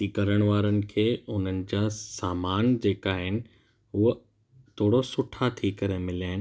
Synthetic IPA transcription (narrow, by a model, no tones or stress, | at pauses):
ikɐɾəɽ̃ʋaːɾənɪ̆kʰeːʊn̤ənɪ̆d͡ʑaːsaːmaːnd͡ʑeːkaːɦɪnɪ̆ | ʊɦə | t̪ʰoːɽosʊʈʰat̪ʰikɐɾemɪljaːɪnɪ